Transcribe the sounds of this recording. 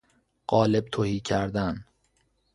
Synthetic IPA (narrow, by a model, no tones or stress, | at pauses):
ɢɒːle̞b̚t̪ʰohiːcʰæɾd̪æn